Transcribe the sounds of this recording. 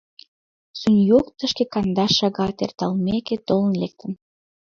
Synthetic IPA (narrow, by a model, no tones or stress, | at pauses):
sunjokt̪əʃkekɑnd̪ɑʃɑɣɑt̪ḛrt̪ɑlmeket̪olə̆nlek̚t̪ən